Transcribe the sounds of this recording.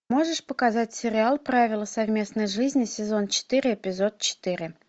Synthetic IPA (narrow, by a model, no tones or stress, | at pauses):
moʐəʂpəkazatʲsʲɪɾʲɪalˠpravʲɪlˠəsɐvʲmʲe̞snəjʐɨzʲnʲɪsʲɪzont͡ɕɪ̥t̪ɨɾʲɪːpʲɪzot̪̚t͡ɕɪ̥t̪ɨɾʲɪ